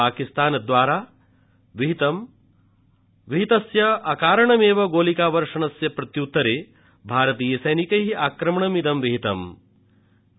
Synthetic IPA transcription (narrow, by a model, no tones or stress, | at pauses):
aːkist̪aːnɐd̪ʋaːɾaː | ʋiɦit̪ɐm | ʋiɦit̪ɐsjɐɐkaːɾɐɳɐmeːʋɐɡoːlikaːʋɐɾʂɐɳɐsjɐpɾɐt̪jut̪ːɐɾeː | bʱaːɾɐt̪iːjɐsɐjnikɐɦiaːkɾɐmɐɳɐmid̪ɐmʋiɦit̪ɐm